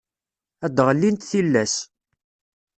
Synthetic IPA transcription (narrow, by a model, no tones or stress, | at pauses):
æd̪ʁəlːint̪θilːæs